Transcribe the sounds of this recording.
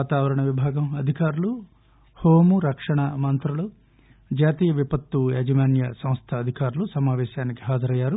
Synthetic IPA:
aːt̪aːʋɐɾɐɳɐʋibʱaːɡɐmɐd̪ʱikaːɾulu | hoːmuɾɐkʂɐɳɐmɐnt̪ɾulu | d͡ʒaːt̪iːjɐʋipɐt̪ːueːd͡ʒɐmaːnjɐsɐ̃mst̪ʰɐːd̪ʱikaːɾulusɐmaːʋɛːʃaːniki̥ɦaːd͡ʒɐɾɐjːaːɾu

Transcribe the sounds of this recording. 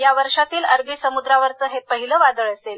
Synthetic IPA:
jaʋəɾʂat̪iːləɾʋiːsəmud̪ɾaʋəɾt͡səːɦepəɦiləːʋad̪əɭəsel

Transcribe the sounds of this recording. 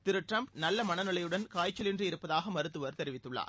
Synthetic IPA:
t̪ɪɾɯʈrɐmpnɐlːɐmɐnɐnɯɭɐjɯɽɐnkaːjt͡ʃːɐlɪndrɯɪɾɯpːɐðaːɣɐmɐɾɯt̪ːɯʋɐɾt̪ɛɾɪʋɪt̪ːɯɭːa̰ː

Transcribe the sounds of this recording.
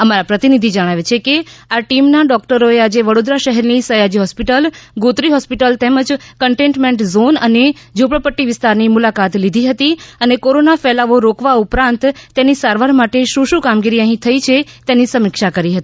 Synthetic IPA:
əmaɾapɾət̪inid̪ʱid͡ʒəɽ̃aʋet͡ʃʰekeaʈimnaɖɔkʈəɾoead͡ʒeʋəɽod̪ɾaʃəɦɛɾnisəjad͡ʒiɦɔspiʈəlɡot̪ɾiɦɔspiʈəlt̪ɛməd͡ʒkəɳʈẽɳʈmeɳʈzonəned͡ʒopɽəpəʈːiʋɪst̪aɾnimulakat̪lid̪ʱiɦət̪iənekoɾonafɛlaʋoɾokʋaupɾãnt̪ːenisaɾʋaɾmaʈeʃũʃũkamɡiɾiəɦĩt̪ʰəit͡ʃʰet̪enisəmɪkʃakəɾiɦət̪ii

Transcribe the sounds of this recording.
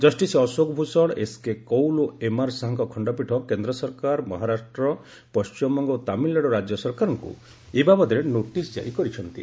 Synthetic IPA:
d͡ʒɔsʈisiɔsoɡɔbʱusɔɭeskekɔwloemaɾsaɦaŋkɔkʰɔɳɖɔpiʈʰɔkend̪ɾɔsɔɾkaɾmɔɦaɾasʈɾɔ | pɔst͡ʃmɔŋɡɔt̪amillːaɽɔɾad͡ʒjɔsɔɾkaɾɔŋkṵ | ebamɔd̪ʱiɾenoʈisd͡ʒa̰ɾikɔɾit͡ʃʰɔnt̪ḭ

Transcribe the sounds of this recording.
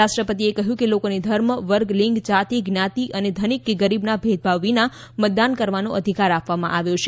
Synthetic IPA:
aʃʈɾəpət̪iekəɦjũkelokonid̪ʱəɾməʋəɾɡliŋɡt͡ʃat̪iɡnjat̪iʔəned̪ʱənikːeɡəɾibnabʱed̪̚bʱaʋːina | mət̪̚d̪ankəɾʋanoʔəd̪ʱikaɾapʋamã̰ʔaʋjot͡ʃʰe

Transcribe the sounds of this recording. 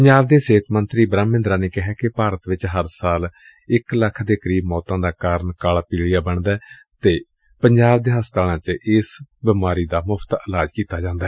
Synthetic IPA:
pəɲd͡ʒaːbd̪eːseːt̪ʰmənt̪ɾiːbɾaːmːɪ̃nd̪ɾaːneːkɪɦɛːkɪpaːɾət̪ʋɪt͡ʃɦəɾsaːl | ɪkləkʰd̪eːkəɾiːbmɔːt̪ãːd̪aːkaːɾəɳkaːlaːpiːɽijaːbəɳd̪ɛː | t̪eː | pəɲd͡ʒaːbd̪eːɦəst̪aːɽãːt͡ʃʔɪsbɪmaːɾiːd̪aːmʊpʰt̪əlaːd͡ʒkiːt̪aːd͡ʒãːnd̪aːɛ

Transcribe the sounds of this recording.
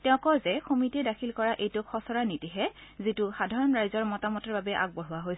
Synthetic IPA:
tɛʊ̃kɔzɛxumitɛdakʰilkɔɹaʔejtʊkʰɔsɔɹanitiɦɛzitʊxadʱaɹɔnɹajzɔɹmɔtamɔtɔɹbabɛʔa̰ɡ̚bɔɹʊwaɦojs

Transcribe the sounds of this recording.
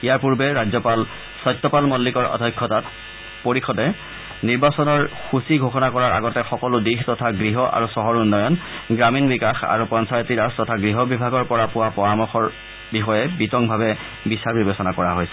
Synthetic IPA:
ijaɹpuɹbɛɹazɔpal | sɔjtːɔpalmɔlːikɔɹɔ̰dʱɔkʰːɔtat | poɹixɔdɛ | niɹbasɔnɔɹxusiɡʱoxɔnakɔɹaɹa̰ɡɔtɛxɔkɔlʊdixtɔtʰaɡɹiɦɔʔa̰ɹusɔɦɔɹunːɔjɔnɡɹaminbikaxa̰ɹupɔnsajtiɹastɔtʰaɡɹiɦɔbibʱaɡɔɹpɔɹapʊwapɔɹamɔxɔɹ | bixɔjɛbitɔŋbʱabɛ | bisaɹbibesɔnakɔɹaɦojsɛ̥

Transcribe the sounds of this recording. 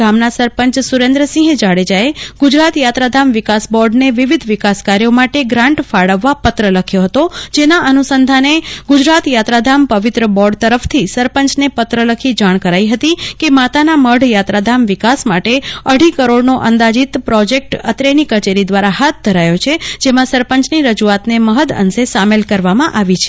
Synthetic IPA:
amnasəɾpə̃ɲt͡ʃsuɾẽnd̪ɾəsĩɦd͡ʒaɽed͡ʒaeɡ̥ʊd͡ʒɾat̪jat̪ɾad̪ʱamʋɪkasbɔɾɖneʋɪʋid̪ʱʋɪkaskaɾjomaʈeɡɾãɳʈfʰaɽəʋːapət̪ɾələkʰjoɦət̪od͡ʒenaʔənusənd̪ʱaneɡʊd͡ʒɾat̪jat̪ɾad̪ʱampəʋɪt̪ɾəbɔɾɖt̪əɾəft̪ʰisəɾpəɲt͡ʃnepət̪ɾələkʰid͡ʒaɽ̃kəɾaiɦət̪ikemat̪anaməɖʱjat̪ɾad̪ʱamʋɪkasmaʈeəɽ̤ikəɾoɽnoʔənd̪ad͡ʒit̪pɾɔd͡ʒek̚ʈət̪ɾenikət͡ʃeɾid̪ʋaɾaɦat̪̚d̪ʱəɾajot͡ʃʰed͡ʒemãsəɾpəɲt͡ʃniɾəd͡ʒuat̪neməɦəd̪ə̰nsesamelkəɾʋamãʔaʋit͡ʃʰe̥

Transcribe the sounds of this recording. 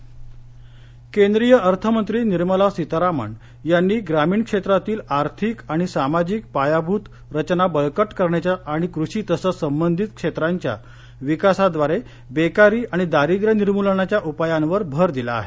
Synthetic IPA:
kend̪ɾijəʔəɾt̪ʰəmənt̪ɾiːniɾməlasit̪ɾamə̰ɳ | janːiːɡɾamiːɳkʂet̪ɾat̪iːlaɾt̪ʰikaɽ̃isamad͡ʑiːk̚pajabʱuːt̪ | ɾət͡ɕnabəɭkəʈkəɾɳjat͡ɕjaːɽ̃ikɾuʂiːt̪əsəsəmbənd̪ʱit̪kʂet̪ɾaɲt͡ɕja̰ | ʋikasad̪ʋaɾe | bekaɾiːʔaɽ̃id̪aɾid̪ɾəniɾmulɳat͡ɕjaʔupajãnʋəɾbʱəɾd̪ila̰ːɦḛ

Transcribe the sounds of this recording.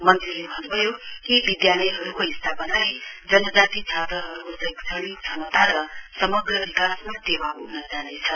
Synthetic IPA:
mʌnt̪ɾiebʱʌnubʱʌjoɦibid̪jalʌjɦʌɾukoist̪ʰapʌnajd͡zʌnʌd͡zat̪it͡sʰat̪ɾʌɦʌɾukosʌjksʌɽikt͡sʰʌnt̪aɾʌsʌmʌɡɾʌbikasmat̪ebakonʌd͡zalet͡sʰʌ

